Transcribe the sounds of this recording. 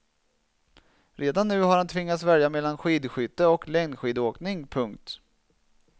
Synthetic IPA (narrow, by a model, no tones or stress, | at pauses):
ɾeːd̪anːʉ̟ːɦaɾhant̪ʰvɪŋːat̪svɛljamɛlːanɧiːd̪ɧʏt̪ːəɔklɛŋnɧiːd̪oːknɪŋpʰɵŋkt̪